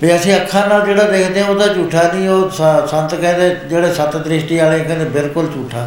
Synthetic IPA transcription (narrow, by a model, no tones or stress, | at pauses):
pəɐsĩːəkʰːaːnaːd͡ʒeːɽaːd̪eːkʰd̪eɦãːod̪aːt͡ʃuːʈʰaːnĩːɦoːssə̃nt̪kɛ̃ːnd̪eːd͡ʒeːɽeːsət̪d̪ɾɪʃʈiːaːleːkɛ̃ːd̪ebɪlkʊlt͡ʃuːʈʰaː